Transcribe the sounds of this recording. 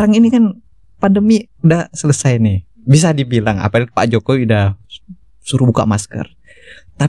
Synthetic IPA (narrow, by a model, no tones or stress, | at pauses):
ɾaŋinikan | pandəmi | dasələsajnɪ | bis̬adibilaŋa̰paapa̰ʔd͡ʒokowida | suɾubuka̰maskə̰r | t̪a